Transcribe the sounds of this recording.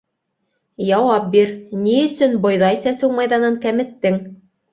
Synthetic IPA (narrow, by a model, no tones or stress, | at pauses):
jɑwɑp̚biɾniɵ̆sɵnbŏjðɑjsæsɘwmɑjðɑnɤŋkæmɘ̆t̪ːɘŋ